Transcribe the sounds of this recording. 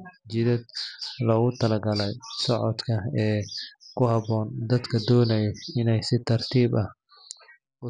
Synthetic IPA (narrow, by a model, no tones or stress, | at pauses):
d͡ʒɪðɐd̪lɔɣʊt̪ʰɐlɐɡɐlɛjsɔʕɔd̪kʰɐɛːkʰʊhɑbɔːnd̪ɐd̪kʰɐd̪ɔːnɐjɛɪnɛjsɪt̪ʰɐrt̪ʰiːbɐh | ʊ